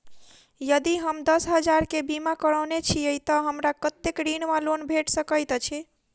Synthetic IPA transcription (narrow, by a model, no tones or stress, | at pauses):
jəd̪iɦəmd̪əsɦəd͡ʒaɾkebimakəɽəwnet͡ʃʰiəjt̪əɦəmɾakət̪ːekɾinmalonbʱeʈsəkəjt̪t͡ʃʰi